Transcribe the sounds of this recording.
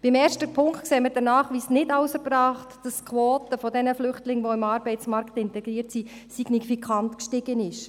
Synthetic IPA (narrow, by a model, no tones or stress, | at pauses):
b̥ɪmɛːrʃtəpʰʊŋktkseːmədɛnaːχʋiːsnɪtaʊsəɾbɾɑːχtd̥ɑskχʋoːtəfɔdɛnəflʏχtlɪŋʋoɪmɑːɾbɛɪtt͡smɑɾktɪntɛɡ̥ɾiːəɾtsisiɡ̥nifikʰɑntkʃtɪɡ̥ənɪʃ